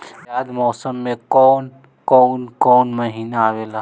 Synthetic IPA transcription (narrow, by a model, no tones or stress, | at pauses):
jaːd̪mɔːsəmːẽkɔːn | kɔːnkɔːnmɐɦiːnaaːʋeːlaː